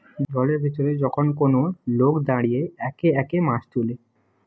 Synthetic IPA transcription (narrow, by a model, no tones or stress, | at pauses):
d̪ɔleɾbʱet̪oɾed͡ʑɔkʰonkonolokd̪aɽijeɛkeɛkemãʃt̪ule